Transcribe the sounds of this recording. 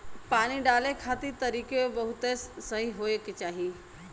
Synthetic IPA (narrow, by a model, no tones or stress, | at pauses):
paːɽ̃iɖaːlekʰaːt̪it̪ɐɾiːkebɐɦʊt̪essɐɦiɦoːeket͡ʃaːɦi